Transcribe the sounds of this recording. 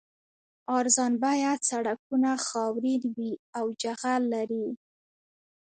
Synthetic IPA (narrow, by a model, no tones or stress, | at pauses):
ɑɾzɑnbɑjad̪saɽakunaxɑwɾinwiawd͡ʒaɣalːaɾi